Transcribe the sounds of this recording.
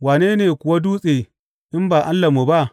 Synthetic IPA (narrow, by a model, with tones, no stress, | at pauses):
waː˨neː˦neː˨kʷʊ˨wa˦duː˦sʼeː˨ | ʔɪ˦mbaː˨ʔa˦lːa˨mu˨ba˦ʔ